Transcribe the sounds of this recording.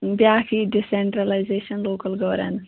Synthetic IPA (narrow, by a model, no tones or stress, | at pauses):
bjaːkʰiɖiseɳʈɾɐlajzeːʃɐnloːkəlɡɔːɾḛn